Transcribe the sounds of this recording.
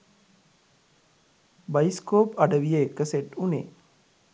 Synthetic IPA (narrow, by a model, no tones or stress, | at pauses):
bɐjiskoːpɐɖəʋijekəseʈunḛː